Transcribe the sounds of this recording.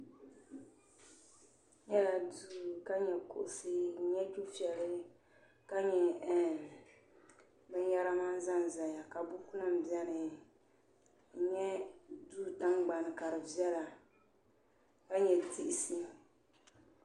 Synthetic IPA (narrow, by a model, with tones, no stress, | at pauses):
ɲɛ˦la˨duː˦˨ka˦ɲɛ˨ko̰˨ʔʊ˨sɨ˦˨ɲɛ˦t͡ʃu˦fi˨ɛ˨lɨ˦ | ka˦ɲɛ˨ | bɨ˦ɲ˦ja˦ɾa˦ma˦n˦za˦n˨za˨ja˨ka˨bu˦ku˦nɨ˦m̩˨bjɛ˦nɨ˨ | ɲɛ˦du˦ta˦ŋɡ͡ba˨nɨ˨ka˨ɾɨ˨bjɛ˦la˨ | ka˦ɲɛ˨ti˦ʔɪ˨si˦